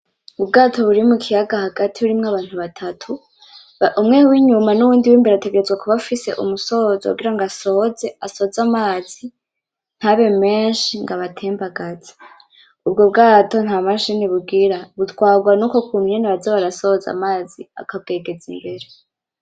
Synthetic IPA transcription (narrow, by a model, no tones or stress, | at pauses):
ubɡaːtʰo̞βuɾimukʰijaɡahaɡatʰiβuɾimŋaβaːn̥huβatʰatʰu | umŋewiɲumanuβuːndiwiːmbeɾate̞ɡe̞ɾezɡwekuβafise̞̰ʔumuso̞zo̰ṵɡiɾaŋɡaso̞ze̞aso̞zamaːz̥i | n̥haβe̞me̞ːnʃiŋɡaβatʰeːmbaɡaz̥e̥ | ubɡo̞b̚ɡaːto̞n̥hamaʃiniβuɡiɾaβutwaːɡwanuːko̞kumɲeniβazoβaɾaso̞za̰maːzia̰kab̚ɡe̞ːɡe̞zimbe̞ɾe̞